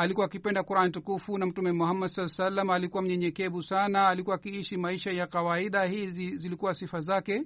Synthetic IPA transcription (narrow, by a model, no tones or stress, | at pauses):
alikuwaːkipɛndakuɾanitukufunam̩tumɛmɔhamːadsaasalːamalikuwam̩ɲɛɲɛkɛɓusanaːlikuwaːkiiʃimaiʃajakawaiɗahizzilikuwasifazakɛ